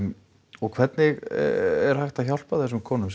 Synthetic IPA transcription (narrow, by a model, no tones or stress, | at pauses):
ɔɣkʰv̥ɛt̪nɪɣɛɾ̥hajxt̪açawl̥paðθɛs̬ːʏmkʰɔːnʏms